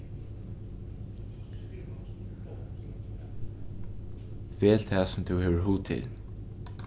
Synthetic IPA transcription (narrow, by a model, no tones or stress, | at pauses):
veːlt̪ʰæːsʊmt̪ʰʊwheːʋəɹɦuːt̪ʰɪ̰l